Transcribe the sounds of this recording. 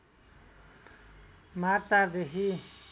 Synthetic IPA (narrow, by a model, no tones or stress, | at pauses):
maɾt͡saɾd̪ekʰi